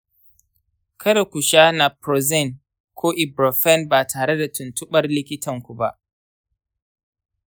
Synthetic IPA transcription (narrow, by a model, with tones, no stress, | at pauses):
kʰɐ˦ɾa˨kʷu˨ʃaː˦na˨pɾɔ˨zɛ˦˨n | kʷʰoː˦ʔɪ˨bɾɔ˨fɛ˦˨nba˨tʰaː˨ɾe˦da˨tʊ˨ntʊ˦ɓɐ˦rlɪ˦kʲɪ˦tɐ˨ŋkʷu˨ba˦ʔ